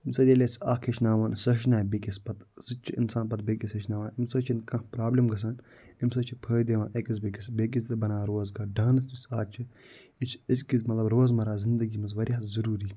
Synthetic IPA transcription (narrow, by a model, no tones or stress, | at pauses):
imsɐd̪ʲelʲesaːkʰet͡ʃʰnaːʋaːnsɐɦʃnaːbekispɐt̪sɨt͡ʃʰiḭnsaːnpɐt̪̚bekisɐt͡ʃʰnaːʋaːnimsɐt͡ʃʰinkɐ̃hpɾaːblimɡɐs̬aːn | imsɐt͡ʃʰipʰəːd̪eːʋaːnʔɐkis̬bekisbek̬ist̪ɨbɐnaːɾoːzɡaːɖaːnɐst̪ʰisaːt͡ʃʰiit͡ʃʰiskizmɐt̪lɐbɾoːzmɐɾaːzind̪ɨɡimɐzʋɐɾʲjɐzɐɾuːɾiː